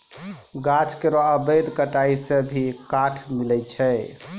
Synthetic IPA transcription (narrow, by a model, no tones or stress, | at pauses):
ɡat͡ʃkeɾoəbəjd̪kəʈaisẽbʱikaʈʰmilɛt͡ʃʰɛ